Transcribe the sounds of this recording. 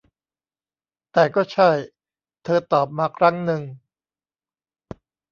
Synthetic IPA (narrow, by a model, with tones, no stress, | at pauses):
t̪ɛː˨˩kɔː˥˩t͡ɕʰa˥˩j | t̪ʰɤː˧t̪ɔː˨˩p̚maː˧kʰɾa˦˥ŋnɯ˧ŋ